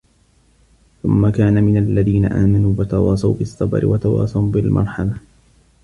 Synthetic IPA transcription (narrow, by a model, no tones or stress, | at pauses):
θʊmːakaːnamɪnalːaðiːna̰ʔaːmanuːwɑt̪ɑwɑːsˤɑwbɪsˤːɑbɾɪ̰wat̪ɑwɑ̰ːsˤɑwbɪlmʔɑ̰ɾˤħɑla